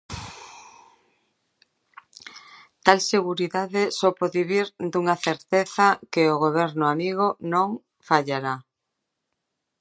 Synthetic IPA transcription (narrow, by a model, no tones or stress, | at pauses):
t̪alseɣuɾiðaðesopoðiβiɾd̪uŋaθeɾt̪eθakeoɣ̞oβ̞eɾnoamiɣ̞onõŋ | faʎaɾa